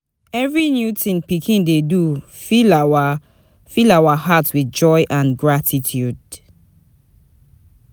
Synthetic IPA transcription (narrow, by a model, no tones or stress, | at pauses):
ɛvɹinjutĩnpikʰĩndedu | filawa | filawahatwiθd͡ʒɔjʔãnɡɹatʰitʰjud